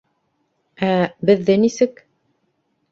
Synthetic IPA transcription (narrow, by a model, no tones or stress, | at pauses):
æbɘ̆ðːɘnisɘk